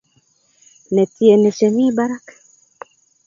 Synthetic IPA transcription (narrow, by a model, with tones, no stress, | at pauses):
nɛ˨tiɛ˨nɛ˨ʃɛ˨mi˦baɾa˦kḁ